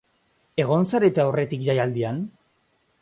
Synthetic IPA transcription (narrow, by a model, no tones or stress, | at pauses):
e̞ɣ̞o̞nsaɾet̪eawre̞t̪ikʝajald̪ian